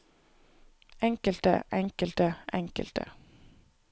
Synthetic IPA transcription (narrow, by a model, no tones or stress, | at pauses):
ɛŋkəlt̪ə̰ʔɛŋkəlt̪əʔɛŋkə̰lt̪ə̰